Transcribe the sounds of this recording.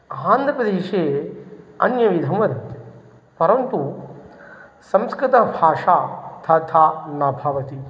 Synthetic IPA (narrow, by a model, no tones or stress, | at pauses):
ãːnd̪ʱɾɐpɾɐd̪eːʃe | ɐ̰njɐʋid̪ʱɐmʋɐɾi | pɐɾɐnt̪u | sɐ̃mskɾɪt̪ɐbʱaːʂaːt̪ʰɐt̪ʰaːnɐbʱɐʋɐt̪i